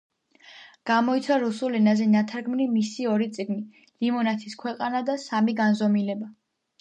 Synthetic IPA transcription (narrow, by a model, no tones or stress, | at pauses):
ɡ̥amɔit̪sʰwaɾusulɛnazɛnat̪ʰaɾɡmnimisiɔɾit̪sʼiɡni | limɔnat̪ʰi̥skʰwɛqʼanad̪asamiɡanzɔmilɛba